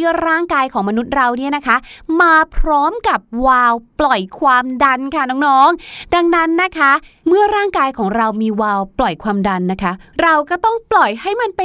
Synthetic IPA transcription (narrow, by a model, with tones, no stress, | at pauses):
ɾaː˥˩ŋkaː˧jkʰɔː˩˦ŋma˧nu˦˥t̪̚ɾa˧wni˥˩ɐna˦˥kʰa˦˥maː˧pʰɾɔː˦˥mka˨˩p̚waː˧wplɔ˨˩jkʰwaː˧mda˧nkʰa˥˩nɔː˦˥ŋnɔː˦˥ŋda˧ŋna˦˥nːa˦˥kʰa˦˥ | mɯ˥˩ɐɾaː˥˩ŋkaː˧jkʰɔː˩˦ŋɾa˧wmiː˧waː˧wplɔ˨˩jkʰwaː˧mda˧nːa˦˥kʰa˦˥ɾa˧wkɔː˥˩t̪ɔ˥˩ŋplɔ˨˩jha˥˩jma˧npa˧